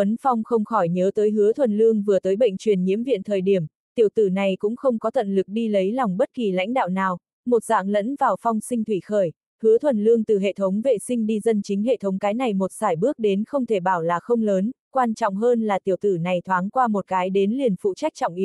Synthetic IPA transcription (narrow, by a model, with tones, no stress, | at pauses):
ə˨˦nfɔ˧wŋ͡mxə˧wŋ͡mxɔ˧˩jɲəː˨˦t̪əː˨˦jɦɨ˨˦ət̪ʰwə˨˩nlɨ˧əŋvɨ˨˩ət̪əː˨˦jɓə̰˧˨jŋ̟t͡ɕwi˨˩ənɲḭ˧˥əmvḭ˧˨ənt̪ʰəː˨˩jɗi˧˩əm | t̪i˧˩əwt̪ɨ˧˩na˨˩jkʊ̰˧˥ŋ͡mxə˧wŋ͡mkɔ˨˦t̪ʰə̰˧˨nlɨ˨˩k̚ɗi˧lə˨˦jlɔ˨˩wŋ͡mɓə˦˥t̚ki˨˩la̰˧˥ŋ̟ɗa̰ː˧˨wnaː˨˩w | mo˨˩t̚za̰ː˧˥ŋlə̰˧˥nvaː˨˩wfɔ˧wŋ͡msï˧ŋ̟t̪ʰwi˧˩xəː˧˩j | hɨ˨˦ət̪ʰwə˨˩nlɨ˧əŋt̪ɨ˨˩ɦḛ˧˨t̪ʰə˨˦wŋ͡mvḛ˧˨sï˧ŋ̟ɗi˧zə˧nt͡ɕï˨˦ŋ̟hḛ˧˨t̪ʰə˨˦wŋ͡mkaː˨˦jna˨˩jmo˨˩t̚z̥aː˧˩jɓɨ˦˥ək̚ɗe˨˦nxə˧wŋ͡mt̪ʰe˧˩ɓaː˧˩wlaː˨˩xə˧wŋ͡mləː˨˦n | kwaː˧nt͡ɕɔ̰˧˨wŋ͡mɦəː˧nlaː˨˩t̪i˧˩əwt̪ɨ˧˩na˨˩jt̪ʰwaː˨˦ŋkwaː˧mo˨˩t̚kaː˨˦jɗe˨˦nli˨˩ənfṵ˧˨t͡ɕa˦˥jk̚t͡ɕɔ̰˧˨ŋ͡mʔi˨˦